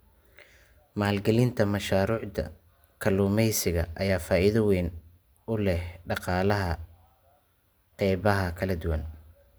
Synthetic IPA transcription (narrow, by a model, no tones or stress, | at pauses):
maːlɡɐlɪnt̪ʰɐmɐʃaːɾuːʕd̪ɐ̰ | kʰɐluːmɛjsɪɣɐ̰ʔɐjaːfaːʔiðɐwɛːn | ʊlɛhɖɑqɑːlɐɦɐ | qɛjβɐɦɐkʰɐlɐd̪ʊwɐn